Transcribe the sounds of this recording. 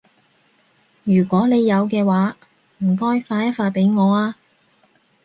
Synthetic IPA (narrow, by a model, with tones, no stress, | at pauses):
jyː˨˩kʷɔː˨˥ne˨˧jːɐ˨˧wkɛː˧waː˨˥ | m̩˨˩kɔː˥jfaː˧jɐ˥t̚faː˧t̚pe˨˥jŋɔː˨˧aː˧